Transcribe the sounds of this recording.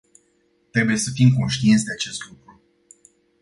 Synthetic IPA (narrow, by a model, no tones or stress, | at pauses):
t̪ɾe̞buje̞səfimko̞nʃt̪iint̪sʲd̪e̞at͡ʃe̞st̪lukɾu